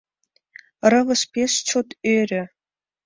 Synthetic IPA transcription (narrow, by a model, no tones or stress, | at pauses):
rɤ̆ʋɤ̆ʂpʲeʂt͡ɕʰot̪øɾʲɘ̆